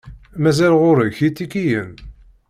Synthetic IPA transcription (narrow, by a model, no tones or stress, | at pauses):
mæzælʁʊɾəçit̪ːikijəm